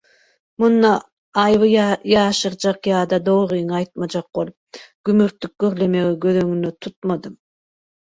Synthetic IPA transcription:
munːɑː | jβɯjɑːʃɯɾd͡ʒɑqjɑːd̪ɑd̪oːʁɯjŋɑjt̪̚mɑd͡ʒɑq̚bol̚ˠ | ɡ̥ymyɾt̪ːyk̚ɡøɾlemeɡiɡøðøŋynøt̪ʰut̪̚mɑd̪ɯm

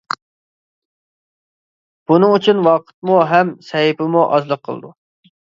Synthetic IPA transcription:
b̥unɨŋyt͡ʃʰynwɑqʰə̥t̪̚muɦɛmsɛɦipɪmuʔɑ̰zlˠəqʰːə̰l̰ˠd̪u

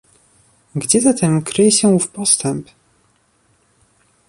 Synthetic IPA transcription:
ɡd͡ʑɛzat̪ʰɛmkɾɘjɛɕɛufpɔst̪ɛmp

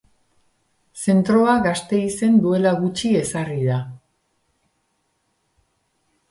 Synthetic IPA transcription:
se̞nt̪ɾo̞aɣast̪e̞ise̞nd̪ue̞laɣut͡ʃie̞sariða

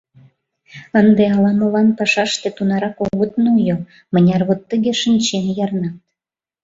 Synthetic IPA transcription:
ənd̪eɑlɑmolɑnpɑʃɑʃt̪et̪unɑɾɑkoɣət̪nojo | mənʲɑrβot̪ːəɣeʃənʲt͡ɕenjɑrnɑt̪̚

